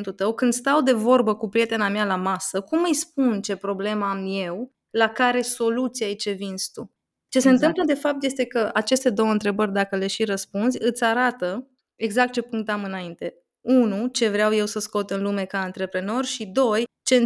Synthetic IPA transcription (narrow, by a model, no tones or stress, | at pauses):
nt̪ut̪əwkɨnd̪st̪awd̪e̞vo̞rbəkupɾijet̪e̞namalamasəkumːəjspunt͡ʃe̞pɾo̞ble̞mamje̞w | lakaɾe̞so̞lut̪siajt͡ʃe̞vinst̪u | t͡ʃe̞seɨnt̪ɨmmpləd̪e̞fap̚t̪je̞st̪e̞kəʔat͡ʃe̞st̪e̞d̪o̞wəɨnt̪ɾe̞bərʲd̪akəle̞ʃiɾəspunzʲɨt̪sʲaɾat̪ə | eɡzak̚t̪̚t͡ʃe̞puŋkt̪amɨnaint̪e̞ | unut͡ʃe̞vɾeawje̞wsəsko̞t̪ɨnlume̞kaɨnt̪ɾe̞pɾe̞no̞rʲʃid̪o̞jt͡ʃe̞